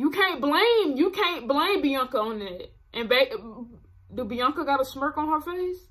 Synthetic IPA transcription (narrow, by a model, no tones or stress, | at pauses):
jɨkʰæ̃nb̥lẽɪ̃mjɨkʰæ̃nb̥lẽɪ̃mbiʌ̃ŋkəə̃nɪt̚ | ʔɨ̃nbeɪʔ | dɨbiʌ̃ŋkəɡɑɾəsmɜ˞k̩ɦɑfəiz̥